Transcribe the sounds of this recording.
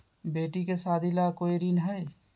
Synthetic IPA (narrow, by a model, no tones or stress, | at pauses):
beːʈikesad̪ʱilakoiɾinɦəj